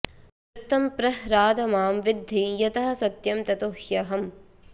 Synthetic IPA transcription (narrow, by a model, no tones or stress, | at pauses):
ɾɐt̪ːɐmpɾɐɦɾaːd̪ɐmaːmʋɪd̪ʱːijɐt̪ɐɦɐ̆sɐt̪jɐmt̪ɐt̪uhjɐɦɐm